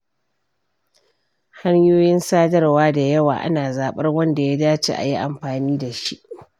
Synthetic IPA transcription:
ha˦ɲjoː˦jɪ˦nsaː˦dɐ˦rwaː˦da˨jɐ˦wa̰ː˨ʔa̰˦naː˨zaː˨ɓɐ˦rwɐ˦nda˨jaː˦daː˦t͡ʃḛː˦ʔa̰˨ji˦ʔa˨mɸaː˨niː˦da˨ʃi˦ʔ

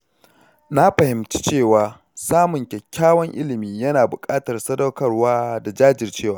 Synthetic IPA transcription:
na˦ɸɐ˨hɪ˨mt͡ʃi̥˦t͡ʃeː˦˨waː˨ | saː˦mʊ˨ŋkʲɛ˨kʲːaː˦wɐ˦ŋʔɪ̰˦lɪ˨miː˦jɐ˦naː˨bʊ˨kʼaː˦tɐ˨rsɐ˦dɐ˦wkɐ˦˨rwaː˦da˨d͡ʒaː˦d͡ʒɪ˨rt͡ʃeː˦˨waː˦

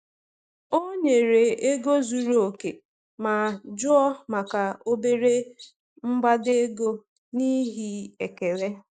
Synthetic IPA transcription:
o˦ɲe˨ɾe˨e˦ɡo˦zu˨ɾo˨ke˨ | ma˨d͡ʒʊ˦ɔ˦ma˨ka˨o˦be˦ɾe˦ | m̩˦ɡ͡ba˦de˦ɡo˦ | ni˦ɦi˦e˨ke˨ɾe˦

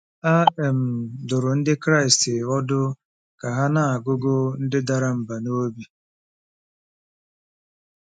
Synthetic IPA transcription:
a˦ɛ˨m̩˨dʊ˨ɾʊ˨n̩˦dɪ˦kɾa˦ɪ˨stɪ˨ɔ˦dʊ˦ | ka˨ɦa˦na˨a˨ɡʊ˦ɡʊ˦n̩˦dɪ˦da˨ɾa˦m̩˨ba˨no˦bi˦

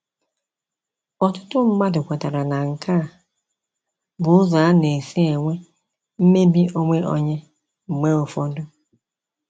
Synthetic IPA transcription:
ɔ˨tʊ˦tʊ˦m̩˦ma˦dʊ˨kʷa˨ta˨ɾa˨na˨ŋ̩˨kʰa˦˨ | bʊ˨ʊ˦za˨a˦ne˨si˦e˨ŋʷe˦ | m̩˦me˦bi˦ʔo˦ŋʷe˦ʔɔ̰˦ɲe˦ | m̩˨me˦o˨fɔ˦dʊ˦

